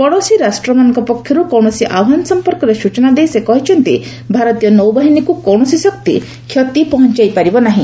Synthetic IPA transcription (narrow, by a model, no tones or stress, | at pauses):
pɔɽɔsiɾasʈɾɔmanɔŋkɔpɔkʰːjɔɾukɔwɳɔsiʔabɦanɔsɔmpɔɾkɔɾesut͡ʃɔnad̪ejsekɔɦit͡ʃʰɔnt̪ḭ | bʱaɾɔt̪ijɔnɔwbaɦinikukɔwɳ̃ɔsisɔkt̪ḭ | kʰjɔt̪ipɔɦɔnt͡ʃajpaɾibɔnaɦĩ